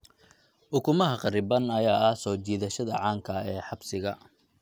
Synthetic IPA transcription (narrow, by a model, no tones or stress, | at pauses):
ʔʊkʰʊmɐɦɐqɑɾɪbɐnɐjaːɐhsɔːt͡ʃiːðɐʃɐðɐʕɑːŋkʰɐɛːħɑbsɪɣɐ